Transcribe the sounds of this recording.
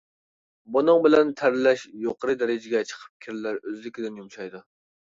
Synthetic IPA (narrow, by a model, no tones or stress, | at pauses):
bʊnɨŋbɪlɛnt̪ʰæɾlɛʃjoqʰəɾɨd̪æɾɪd͡ʒɪɡʲɛt͡ʃʰə̥qʰə̥p̚kʲʰɪɾlæɾøzlɪkʲɪd̪ɪnjumʃɑjd̪u